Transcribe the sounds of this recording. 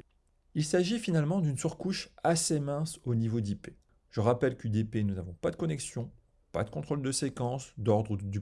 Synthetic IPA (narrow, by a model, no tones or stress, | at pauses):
ilsaʒifinalmɑ̃d̪ynsyʁkuʃasemɛ̃sonivod̪ipe | ʒ̥əʁapɛlkʲyd̪epenunavɔ̃pad̪əkɔnɛksjɔ̃ | pa̰d̪əkɔ̃t̪χold̪əsekɑ̃sd̪ɔʁd̪ʁud̪y